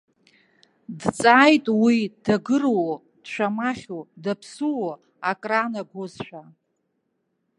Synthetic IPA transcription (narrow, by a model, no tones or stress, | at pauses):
dt͡sʼaːjtʼwidaɡɨrwo | d̥ʃʷᶣamaχʲodapʰsuwo | akʼranaɡʷozʃʷᶣa